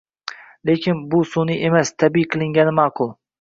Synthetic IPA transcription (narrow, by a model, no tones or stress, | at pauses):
lekʲʰɪnbʊsoniʔemast̪ʰabiqʰɨlˠɪŋɡʲanɪmɑːqʰʊlˠ